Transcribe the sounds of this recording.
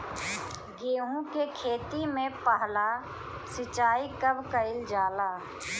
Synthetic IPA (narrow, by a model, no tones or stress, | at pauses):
ɡeːɦũkekʰeːt̪imẽpəɦla | sɪt͡ʃaːikəbkəɪld͡ʒaːlaː